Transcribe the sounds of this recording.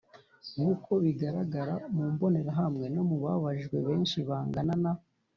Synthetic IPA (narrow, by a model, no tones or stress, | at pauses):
ŋukʰo̞βiɡaɾaɡaɾamuːmbo̞ne̞ɾaɦamŋe̞no̞muβaβaʒɡwe̞̰βe̞ːnʃiβaːŋɡanana